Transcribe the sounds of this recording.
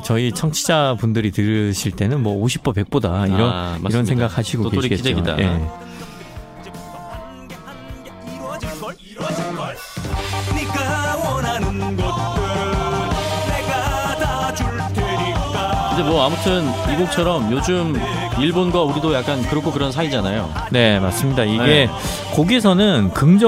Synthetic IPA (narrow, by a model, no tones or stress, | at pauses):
t͡ɕʌit͡ɕʰʌŋt͡ɕʰid͡ʑapundɯɾitɯɾɯɕʰiɭt͈e̞nɯnmwʌoɕ̬ʰip͈ʌpe̞k̚p͈odaiɾʌnmaiɾʌnsʰe̞ŋɡak̚haɕʰiɡootkeoikeid͡ʑeoɡida̰ʔe | nikawnannɡʌ | neɡadad͡ʑ | tʰe | i | kɯnd͡ʑe̞mwʌamutʰɯniɡuk̚t͡ɕʰʌɾʌmjod͡ʑɯm | iɭbonɡʌuɾidojak͈ankɯɾʌkʰokɯɾʌnsʰaid͡ʑanajo̰ | ne̞mas͈ɯmɲidaiɡe̞ | koɡesʰʌnɯnkɯŋd͡ʑʌ